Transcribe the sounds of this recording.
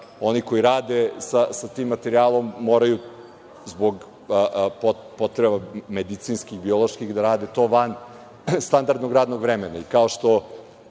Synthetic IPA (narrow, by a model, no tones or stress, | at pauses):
o̞niko̞iɾaːd̪esasat̪iːmːat̪eɾiaːlˠo̞mːoːɾaju | zboɡ | po | po̞t̪ɾebamed̪it̪siːnskiɣbio̞lˠoʃkiɣd̪aɾaːd̪et̪o̞ːʋan | st̪and̪aɾd̪noɡɾaːd̪noɡʋɾemenaikao̞ʃt̪o̞